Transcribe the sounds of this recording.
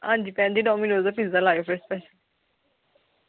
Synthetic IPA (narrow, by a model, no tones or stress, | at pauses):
ãːnd͡ʒiːpɛ̃ːnd̪iːɖɔːminoːzapɪzd̪alaːjfəɾspɛːʃəl